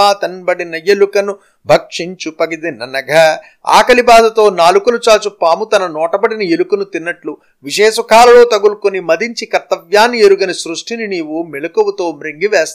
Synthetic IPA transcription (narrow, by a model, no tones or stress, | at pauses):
aːt̪ɐnbɐɽinɐjelukɐnu | bʱɐkʂiɲt͡ʃupɐɡid̪inːɐnɐɡʱɐ | a̰ːkɐlibaːd̪ɐt̪o̞ːnaːlukɐnut͡ʃaːt͡ʃupːaːmut̪ɐnɐnɔːʈɐbɐɽinɐelukunut̪inːɐʈlu | ʋiʃɛːʃɐkaːlɐlo̞ːt̪ɐɡulkunimɐd̪iɲt͡ʃikɐɾt̪ɐʋjaːnːieɾuɡɐnisɾuʂʈininiːwumilɐkuʋɐt̪o̞ːmɾiŋɡiʋeːst̪